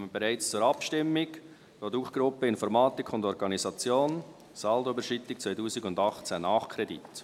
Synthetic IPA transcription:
məbɛɾæɪt͡st͡suːɾɑpʃtɪmːɪɡ | d̥oːduːχɡ̥ɾʊpəɪnfɔɾmɑːt̪ɪkʰʊndɔɾɡɑnizɑt͡sjoːn | sɑldobəʃit̪ːɪk̚t͡svœɪtuːsɪɡʊndɑχt͡sænɑːχkʰɾɛdḭt

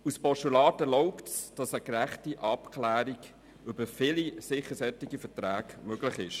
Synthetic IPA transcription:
uspɔʃtulɑːtəɾlɔʊptsd̥ɑsəkɾæχtiʔɑpkʰlæːɾiɡ | ʏb̥əfɪlisɪχəsɛtiɡifətræːkmøɡ̥lɪχɪʃ

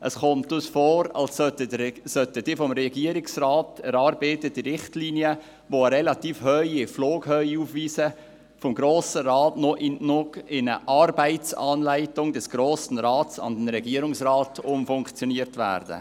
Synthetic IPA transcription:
ʔə̰sχɔmtʊsfɔːɾɑ̰lsœtəsœtəd̥ɪːfɔmɾɛɡiəɾɪksrɑːtɛɾɑːɾbeːtəd̥iɾɪχtliːniə | ʋoɾɛlɑtiːfhœʏɪfloːɡ̥hœʏuːfviːsə | fɔmɡɾoːsəɾɑːtnɔʔɪnnʊɡɪnəʔɑɾbaɪt͡sɑːnlaɪtʊŋd̥ɛsɡ̥ɾoːsn̩ɾɑːtsɑ̰ndɛnɾɛɡiːəɾʊŋsrɑːtʊmfʊŋkt͡sjoniəɾtvæ̰ːɾdə̰

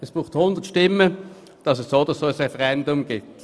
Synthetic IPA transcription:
ɛsb̥ʁuːχthʊnd̥̪ətʃtɪmːə | d̥ɑsɛssoːd̥ɑssoːəsʁɛfəʁɛndʊmɡ̥ɪt

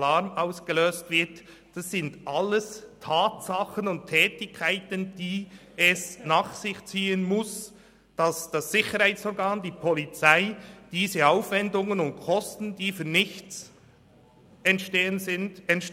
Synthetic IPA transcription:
laɾmaʊsɡ̥əløːstv̥ɪt | d̥ɑsːɪndʔɑlːəstʰaːtsɑχənʊnttʰːɛːtɪçkʰːaɪtənd̥iː | ɛsnaːχsɪçt͡siːənmʊs | d̥ɑsd̥ɑsːɪçəɾhaɪt͡sɔːɾɡɑːnd̥iːpʰɔlit͡saɪd̥iːzəaʊfvɛndʊŋənʊntkʰɔstn̩diːfynɪçt͡s | ɛntʃteːənzɪndɛntʃ

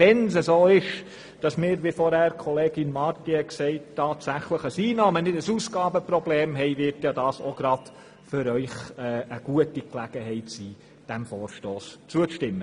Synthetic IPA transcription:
vɛnsəsoːɪʃ | d̥ɑsmɪːɾʋifɔɾhæːɾkʰɔleːɡɪnmɑɾtihɛksɛɪttʰːɑːtsæχləχəsiːnɑːmənɪdəsuːsɡ̥ɑːbəprɔbleːmɦɛɪvɪɾtjɑːdɑːsoɡ̥ɾɑd̥ | fʏɾœʏχɛːəɡ̥uətiklæɡ̥əhɛɪtsiː | d̥æmfɔːɾʃtoːst͡suət͡sʃtɪmːə

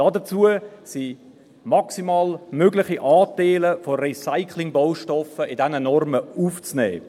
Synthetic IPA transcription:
d̥ɑdət͡suəsi | mɑksimɑːlmøɡlɪχiʔɑːtaɪləforisaɪkʰlɪŋboʊʃtɔfəɪdɛnənɔrməuːft͡snɛ̰ː

